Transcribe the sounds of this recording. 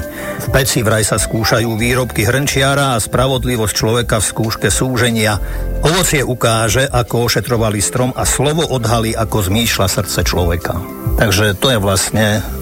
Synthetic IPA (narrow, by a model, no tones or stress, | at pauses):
fpɛt͡siʋɾajsaskuːʃajuːʋiːɾɔpkiɦr̩nt͡ʃɪaɾaːspɾaʋɔd̪liʋɔsct͡ʃlɔʋɛkafskuːʃkɛsuːʒɛɲɪaɔʋɔt͡sɪɛʔukaːʒɛʔakɔɔʃɛt̪ɾɔʋalist̪ɾɔmaslɔʋɔʔɔd̪ɦaliːʔakɔzmiːʃlasr̩t̪t͡sɛt͡ʃlɔʋɛka | t̪aɡʒɛt̪ɔjɛʋlastɲɛ